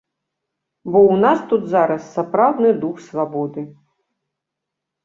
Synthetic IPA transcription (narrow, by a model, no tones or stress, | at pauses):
bɔwnast̪ud̪t̪zaɾɐsːapɾawd̪nɨd̪uxsvabɔd̪ɨ